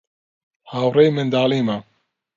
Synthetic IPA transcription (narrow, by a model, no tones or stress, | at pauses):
haːwɾejmɪnd̪aːliːma